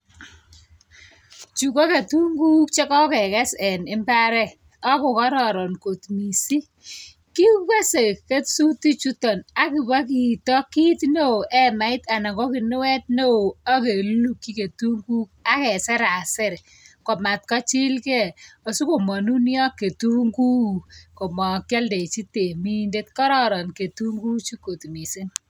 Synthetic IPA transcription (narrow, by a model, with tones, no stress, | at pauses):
t͡ʃu˨ko˦ke˨tu˦ŋɡu˦kt͡ʃe˦kɔ˦kɛ˨kɛ˦sɛ˨nɪ˦mba˦ɾɛ˦ | ɔ˦kʊ˨kɔ˦ɾɔ˨ɾɔ˨nko˨tmi˨si˦ | ki˦ka˦se˨ke˦tsu˦ti˦t͡ʃu˦tɔ˨na˨kɪ˨ba˦k̬i˨tɔ˦ki˦tne˦o˨ʔɛ˦ma˨˦ɪ˦ta˨na˨ŋɡɔ˦kɪ˨nʊ˦wɛ˦t̚ne˦o˨a˦ke˨lu˦kːi˦ke˨tu˦ŋɡu˦k̚a˦kɛ˨sɛ˦ɾa˨sɪ˦ɾ | kɔ˨ma˨t̚kɔ˦t͡ʃɪ˦lkɛ˦o˨su˦ko˨mɔ˨nu˦njɔ˦kːe˨tu˦ŋɡu˦ko˨mɔ˨kjɛ˦lde˨t͡ʃi˦te˨mi˦nde˦tkɔ˦ɾɔ˦ɾɔ˨nke˨tu˦ŋɡu˦t͡ʃi˦ko˨tmi˨si˦n